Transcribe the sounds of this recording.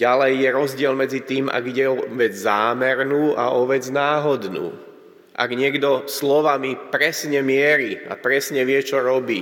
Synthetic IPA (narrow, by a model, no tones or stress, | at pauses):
ɟalɛjːɛɾɔzɟɪɛlmɛd͡zit̪iːmʔa̰ɡiɟɛɔʋɛd͡zzaːmɛɾnuːʔa̰ɔʋɛd͡znaːɦɔd̪nṵː | ʔa̰ɡɲɪɛɡd̪ɔslɔʋamipɾɛsɲɛmɪɛɾiːa̰pɾɛsɲɛʋɪɛt͡ʃɔɾɔbiː